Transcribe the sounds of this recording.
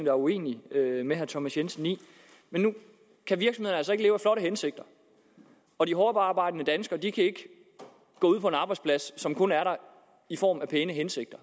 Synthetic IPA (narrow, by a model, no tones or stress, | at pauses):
ŋd̥ɑɐue̝̰ːniømeɦæɐt͡sʰɒmæsjensn̩ḭː | menːu | kʰæʋiɐɡ̥smðˠɐnəælsɒ̽eɡ̥əleːʊæflɒ̽ɾəɦense̝ɡ̥̚d̥ɐ | ɒ̽diɦɒːb̥ɑɑːb̥ɑ̈ɪ̰d̥ənəd̥ænsɡ̥ɐd̥ikʰæe̝ɡ̥ə | ɡ̥ɔ̰ːuðˠpʰɒ̽e̝nɑ̈ːb̥ɑ̈ɪdspʰlæssɒ̽mkʰɔ̽næɐɾɑ̈ | ifɒ̰ːmæpʰeːnəɦense̝ɡ̥d̥ɐ